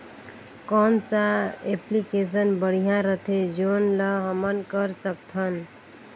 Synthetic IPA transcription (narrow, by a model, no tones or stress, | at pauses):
kɔnsaeplikes̬ənbəɽ̤ijãɾət̪ʰed͡ʒonləɦəmənkəɾsək̚t̪ʰən